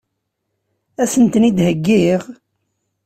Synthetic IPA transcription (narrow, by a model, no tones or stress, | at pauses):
æsənt̪nid̪həɡːiʁ